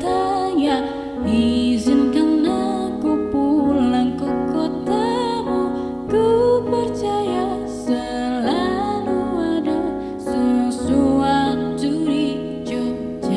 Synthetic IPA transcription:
t̪aɲaʔ | izɪnkanːɔ | kupulaŋkɔkot̪amu | kəpərt͡ʃaja | sə | laluada | səsuat̪̚d͡ʒuɾi | d͡ʒu | d͡ʒa

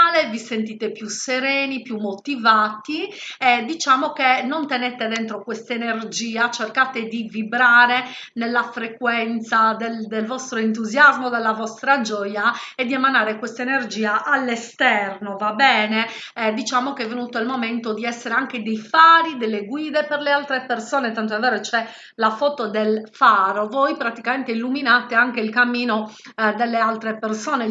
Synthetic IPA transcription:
levisent̪iːt̪epjuseɾeːnipjumːot̪ivaːt̪iɛd̪it͡ʃaːmokenːont̪ɛnɛt̪ed̪ɛnt̪ɾokwest̪enerd͡ʒiːat͡ʃerkaːt̪ed̪ivibɾaːɾe | nelːafɾekwɛnt̪sad̪ɛld̪elvɔst̪ɾoent̪̬uzjazmod̪ɛlːavɔst̪ɾad͡ʒɔːjaed̪ːiɛmanaːɾekwɛst̪aenerd͡ʒiːaʔalːest̪ɛrnovabɛːne | d̪it͡ʃaːmokeɛvːenuːt̪oilmomɛnt̪od̪iɛsːeɾeaŋked̪ejfaːɾid̪elːeɡwiːðeperlealt̪ɾepersɔːnet̪ant̪oɛvːɛːɾot͡ʃɛ | lafɔːt̪od̪elfaɾovojpɾat̪ikamɛnt̪eilːuminaːt̪eaŋk̟eilkamːiːno | d̪elːealt̪ɾepersɔːne

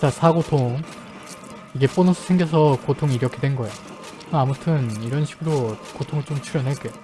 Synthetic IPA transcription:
t͡ɕasʰaɡotʰoŋ | iɡe̞p͈onʌsʰʌsʰeŋɡjʌs̬ʰʌkotʰoŋiiɾʌkʰe̞dwenɡʌejo | kɯɯamutʰɯniɾʌnɕʰi̥ɡuɾokotʰoŋɯɭt͡ɕomt͡ɕʰuɾjʌnɦeɭk͈ejo

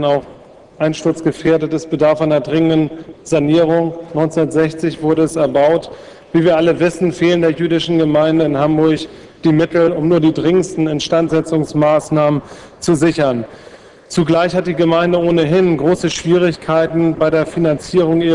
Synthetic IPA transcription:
naʊx | ʔaɪnʃtʊɐt͡sɡ̥əfeːɐdətəsb̥ədaɐfaɪnɐdʁɪŋəndən̩zaniːʁʊŋnɔʏnt͡sːnɐtz̥ɛçt͡sɪçv̥ʊɐɾəɛsɛɐbaʊt | viːviːɐʔaləvɪsn̩feːləndeːɐjyːdɪʃn̩ɡəmaɪndəɪnhambʊɐç | d̥iːmɪtl̩ʊmnuːɐdiːdʁɪŋəstn̩ɛntʃtantz̥ɛt͡sʊŋsmaːsnaːmən | t͡suzɪçɐn | t͡suɡlaɪçhat̚d̥iːɡəmaɪndəoːnəɦɪnɡʁoːsəʃv̥iːʁ̞ɪçkʰaɪtn̩baɪɾeːɐfinant͡siːʁ̞ʊŋʔiː

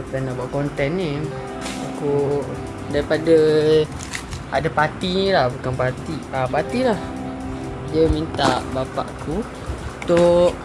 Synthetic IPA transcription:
əpɛnabaʔkɔnt̪ɛnːi | aku | daɾipadə | a̰dapat̪ilahbukanpat̪iapat̪ilah | d͡ʒəmint̪aʔbapa̰ʔaku | t̪oʔ

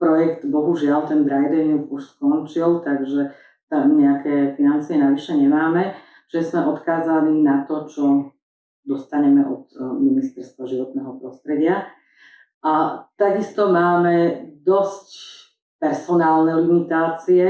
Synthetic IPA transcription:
pɾɔjɛkt̪bɔɦuʒɪalt̪ɛnd̪ɾajd̪ɛnkuʃskɔnt͡ʃilt̪aɡʒɛ | t̪amɲɛakɛːfinant͡siɛnaʋiʃɛɲɛmaːmɛ | t͡ʃiʒɛzmɛʔɔt̪kaːzaninat̪ɔt͡ʃɔ | d̪ɔst̪aɲɛmɛʔɔt̪minist̪ɛɾst̪ʋaʒiʋɔt̪nɛɦɔpɾɔst̪ɾɛɟɪa | ʔat̪aɡist̪ɔmaːmɛd̪ɔsc | pɛɾsɔnaːlnɛlimit̪aːt͡siɛ

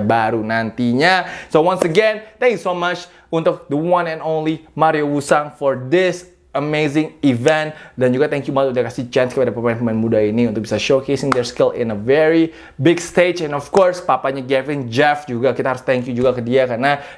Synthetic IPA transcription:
baɾunant̪iɲasowãnsəɡɛ̃nt̪ɛ̃ŋkjusomat͡ʃ | unt̪ʊk̚d̪əwãnɛ̃nownlimaɾiowusaŋfɔɹd̪ɪs | əmezɪ̃ŋivɛ̃nt̪̚dand͡ʒuɡat̪ɛ̃ŋkjumatudakasit͡ʃɛnskəpadapəmaɛ̃npəmanmudainiunt̪ʊk̚bisaʃokesɪŋd̪ɛɹskɪlɪ̰̃nəvɛɹi | bɪɡst̪ed͡ʒɛ̃nɔfkɔɹspapaɲaɡɛvɪnd͡ʒɛfd͡ʒuɡakit̪aɦaɾʊst̪ɛŋkjud͡ʒuɡakədiakarna

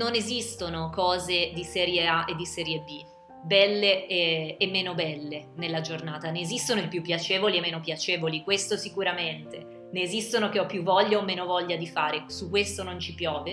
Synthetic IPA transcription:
nonezist̪onokɔːzed̪isɛːɾjeaʔed̪ːisɛːɾjebi | bɛlːeeːmːeːnobɛlːenelːad͡ʒornaːt̪aneːzist̪onoilpjupːjat͡ʃeːvoliemːeːnopjat͡ʃeːvolikwest̪osikuɾament̪e | neːzist̪onokeɔpːjuvːɔʎːaomːeːnovɔʎːad̪ifaːɾesukwest̪onont͡ʃipjɔːve

